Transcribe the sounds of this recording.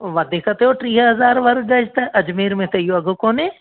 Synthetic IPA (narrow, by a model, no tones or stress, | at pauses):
ʋɐd̪ikɐt̪eoʈɾiːɦɦɐzaːɾʋɐɾɡɐd͡ʒt̪ɐʔɐd͡ʒmiːɾmẽt̪ɐijoɐɡʱokoːnẽː